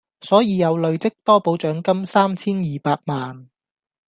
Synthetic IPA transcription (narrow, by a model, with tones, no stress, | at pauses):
sɔː˨˥jiː˨˧jɐ˨˧wlɵ˨˧ɥt͡sɪ˥k̚t̪ɔː˥po˨˥wt͡ʃœː˨˥ŋkɐ˥msaː˥mt͡sʰiː˥njiː˨˩paː˧t̚maː˨n